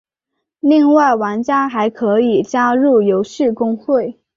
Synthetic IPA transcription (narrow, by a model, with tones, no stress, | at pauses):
li˥˧ŋwa˥˩ɪwa˧˥nt͡ɕja˥xa˧˥ɪkʰɤ˧˥i˨˩t͡ɕja˥ɻu˥˩jo˧˥ʊɕ̩˥˩kʊ˥ŋxwe˥˩ɪ